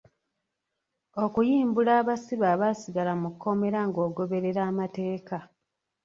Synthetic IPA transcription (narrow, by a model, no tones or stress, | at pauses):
o̞kujiːmbulaːβasiβaːβasiɡalamukːo̞me̞ɾaŋɡo̞ːɡo̞βe̞ɾe̞ɾaːmate̞ːka